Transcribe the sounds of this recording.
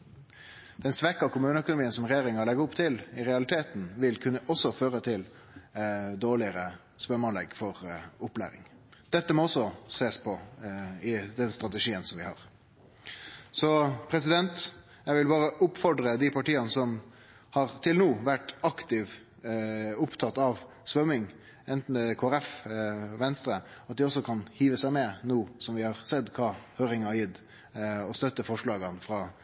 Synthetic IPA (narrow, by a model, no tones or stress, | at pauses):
d̪̥ɛnsʋɛkːɑkʰʊmʉːnəœkʊnʊmiːənsɔmɾɛjeːɾɪŋɑlɛɡɑʊpt̪ʰɪlɪɾɛɑlɪt̪ʰeːt̪n̩ʋɪlkʰʉnːəʔɔsːɔføːɾət̪ʰɪl | d̪oːɭɪəɾə | spœɾmoːnlɛ̰ɡfɔʁʊplæ̰ːɾɪ̰ŋ | d̪̥ɛt̪ːəmɔɔsːɔseːspʰɔ | ɪd̪ɛnst̪ɾɑt̪əʂiːənsɔmʋɪhɑ̰ːʁ | sɔpʰɾɛsɪd̪ɛnt̪ | jɛɪɡʋɪlbɑːɾəʔʊpfɔɖɾəd̪ɪpɑʈiːɑnəsɔm | hɑɾt̪ʰɪlnuːʋæʈːɑkt̪ɪʋ | ʊpt̪ʰɑt̪ɑʋ | sʋœmɪŋ | ɛnt̪n̩ɛkʰoːæɾɛfʋɛnst̪ɾəɑt̪̚d̪ɪɔsːɔkʰɑnhiːʋəsæɪmɛnuːsɔmʋɪhɑʁsɛd̪kʰɑːhøːɾɪŋɑɾjɪd̪ | ɔst̪œt̪ːəfɔʂɭɑːɡɑnfɾɑ